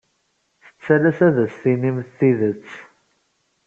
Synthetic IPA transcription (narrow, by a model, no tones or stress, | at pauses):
θə̥t͡sːælæsæðæsθinimθθiðət͡sː